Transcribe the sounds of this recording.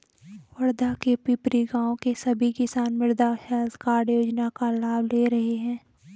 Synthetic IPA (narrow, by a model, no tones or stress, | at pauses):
wɐɽd̪ʱakepipɾiɡãːõkesɐbʱikɪsaːnmɪɾd̪ahɛːlt̪kaːɽjoːd͡ʒnakalaːbleːɾɐɦeɦɛ̃ː